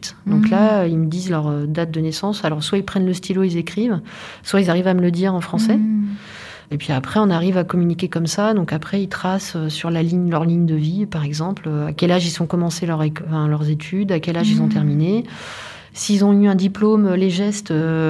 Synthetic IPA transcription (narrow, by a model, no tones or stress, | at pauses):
t̪d̪ɔ̃klailməd̪izlœʁød̪at̪̚d̪ənɛsɑ̃salɔʁswailpχɛnləst̪ʰiloilzekχiv | swailzaʁivamələd̪iʁɑ̃fχɑ̃sɛ | epɥiapχɛɔ̃naʁivakɔmynikʲekɔmsad̪ɔ̃kapχɛilt̪χasøsyʁlaliɲlœʁliɲd̪əvipaʁɛɡzɑ̃pløakʲɛlaʒilsɔ̃kɔmɑ̃selœʁekfɛ̃lœʁzet̪ʰyd̪akʲɛlaʒilzɔ̃t̪ɛʁmine | siːlzɔ̃yɛ̃d̪iplomøleʒɛst̪ø